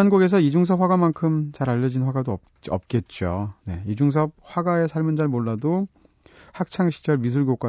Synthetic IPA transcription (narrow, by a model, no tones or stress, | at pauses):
anɡuɡe̞s̬ʰʌid͡ʑuŋsʰʌpɸwaɡamankʰɯmt͡ɕaɾaʎːʌd͡ʑinɸwaɡadoʌp̚t͡ɕʌp̚k͈e̞t̚t͡ɕ͈one̞̰id͡ʑuŋs̬ʰʌp̚ɸwaɡaesʰaɭmɯnd͡ʑaɭmoɭːado | hak̚t͡ɕʰaŋɕʰi̥d͡ʑʌɭmis̬ʰuɭɡjok͈wa